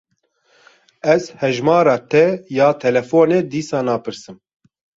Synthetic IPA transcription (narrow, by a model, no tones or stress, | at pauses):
ɛzhɛʒmɑːɾɑːt̪ʰɛjaːt̪ʰɛlɛfoːneːd̪iːsɑːnɑːpɨɾsɨm